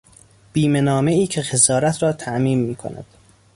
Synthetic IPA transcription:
b̥iːme̞nɒːme̞iːcʰe̞xezɒːɾæt̪ʰɾɒːt̪ʰæʔmiːnmiːkʰo̰næ̰d̪̥

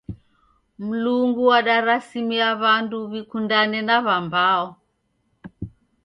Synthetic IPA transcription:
m̩luŋɡuaɗaɾasimiaβanduβikundanɛnaβambaɔ

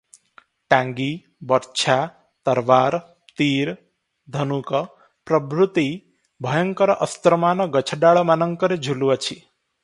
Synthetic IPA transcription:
ʈãŋɡi | bɔɾt͡ʃʰa | t̪əɾʋaɾ | t̪iɾ | d̪ʱənukə | pɾəbɾut̪i | bʱəjəŋkəɾʔəst̪ɾəmanɔɡət͡ʃʰɖaɭɔmanəŋkəɾed͡ʒʱulʋət͡ʃʰi

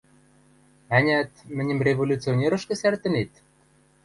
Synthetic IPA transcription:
ænʲæt̪mɘ̆nʲə̆mrʲevolʲut͡sionʲeɾɤ̆ʃkɘ̆sært̪ɘ̆net̪

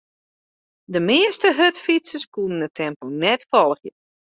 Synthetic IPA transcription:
dəmɪəstəɦøtfisəskunəndətʰɛmpəlˠnɛtfɔlˠxjə

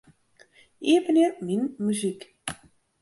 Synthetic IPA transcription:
iəvəniminmyzik

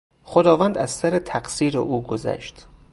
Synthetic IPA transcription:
xod̪ɒːvænd̪æzsæɾet̪ʰæɡsiːɾḛʔuːɡozæ̰ʃt̪

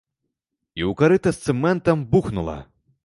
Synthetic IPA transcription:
iwkaɾɨt̪ɐst̪sɨmɛnt̪ɐmbuxnulˠɐ̰

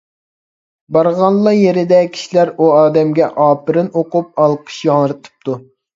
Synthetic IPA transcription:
bɑɾʁɑnlˠːɑjeɾɪd̪ɛkʲʰi̥ʃilæɾuɑːd̪ɛmɡʲɛʔɑːpɨɾɨnoqup̚ɑlˠqʰə̥ʃjɑŋɾɨt̪ʰɨ̥p̚t̪u

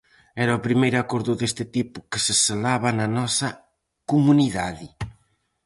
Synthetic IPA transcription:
ɛɾɐopɾimejɾakoɾðʊðest̪ɪt̪ipʊ̥kɪseselaβananɔsɐ | kumuniðaðɪ

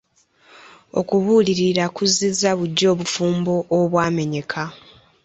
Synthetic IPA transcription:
o̞̰kuβuːliɾiɾakuzizaβuɟːo̞ːβufuːmbo̞ʔːβwaːme̞ɲe̞kʰa

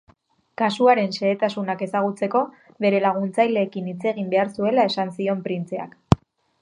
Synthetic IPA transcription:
kasuaɾe̞nse̞ːt̪asunake̞saɣ̞ut͡se̞ko̞ | βe̞ɾe̞laɣ̞unt͡sajle̞ːkinit͡se̞ɣimbe̞aɾsue̞lae̞sansio̞mpɾint͡se̞a̰k

